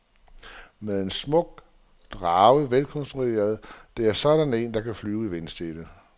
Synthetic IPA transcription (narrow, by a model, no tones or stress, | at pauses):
meðˠe̝nsmɔ̽ɡ̥̚ | d̥ʁɑ̈ːʊʋelkʰɒ̽nsd̥ʁue̝̰ːɐð̞ˠd̥e̝æɐsɒ̽ɾ̥æne̝̰ːnd̥ɑ̈kʰæflyːʊiʋensd̥ed̥ə